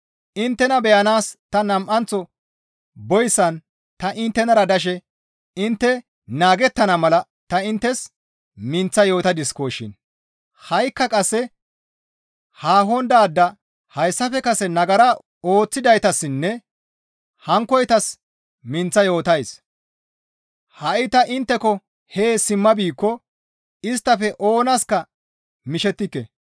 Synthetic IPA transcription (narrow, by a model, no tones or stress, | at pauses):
ʔɪnt̪ːɛnɐbɛjɐnaːst̪ɐnɐmʔɐnt͡sɔ | bɔjsːɐn | t̪ɐʔɪnt̪ːɛnɐɾɐd̪ɐʃ̬ɛ | ɪnt̪ːɛ | naːɡɛt̪ːɐnɐmɐlɐ | t̪ɐɪnt̪ːɛs | mɪnt͡sːɐjo̞ːt̪ɐd̪ɪskoːʃɪ̰n | hɐjkːɐkʼɐsːɛ | haːɦɔnd̪aːd̪ːɐ | hɐjsːɐfɛkɐsɛnɐɡɐɾa | o̞ːt͡sːɪd̪ɐjt̪ɐsːɪnːɛ | hɐŋkːɔjt̪ɐs | mɪnt͡sːɐjo̞ːt̪ɐjs | hɐʔɪt̪ɐʔɪnt̪ːɛkɔ | heːsɪmːɐbiːkːɔ | ɪst̪ːɐfɛʔo̞ːnɐskɐ | mɪʃɛt̪ːɪkːɛ̰